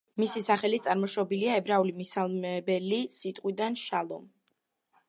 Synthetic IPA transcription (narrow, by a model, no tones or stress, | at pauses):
misisaχɛlit̪sʼaɾmɔʃɔbiliaɛbɾaulimisalˠmɛbɛlisit̪ʼqʼwid̪anʃalˠɔ̰m